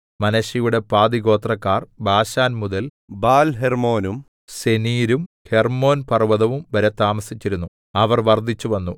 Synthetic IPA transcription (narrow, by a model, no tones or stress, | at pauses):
mɐnɐɕijuɽe̞paːd̪iɣo̞ːt̪rɐkːaːrbʱaːɕaːnmuðɐl | baːlɦermoːnum | se̞niːɾum | he̞rmo̞ːnpɐrʋɐðɐʋumʋɐɾɐt̪ːaːmɐsit͡ɕːiɾunːu | ɐʋɐrʋɐrd̪ʱːit͡ɕːuʋɐnːu